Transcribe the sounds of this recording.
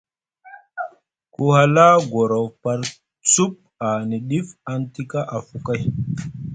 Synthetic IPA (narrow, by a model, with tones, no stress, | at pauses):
ku˦ha˦la˦ɡo˨ɾa˨wpa˦ɾ | t͡su˦p̚ | a˨ni˨ɗi˦fa˦nti˦ka˦ʔa˨fu˨ka˦j